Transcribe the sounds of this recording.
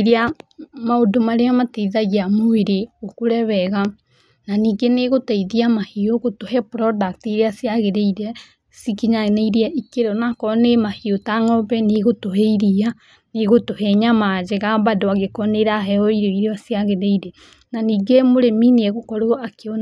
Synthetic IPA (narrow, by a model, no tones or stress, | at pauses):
ɾeamaodomaɾeamateiðaɣiamoeɾeokoɾɛβɛɣa | naniːɡeneɣotaiðiamahioɣotohɛpɾɔdak̚tiɾeasjaɣeɾeiɾɛ | sikiɲaneiɾiaʔikeɾɔnakɔnemahiotaŋɔβɛneɣotoɦɛiɾia | neɣotohɛɲamad͡ʒeɣaβadoaɣekɔneɾaɦɛɔiɾoiɾeɔsjaɣeɾeiɾe | naniːɡemoɾemineeɣokɔɾoakeon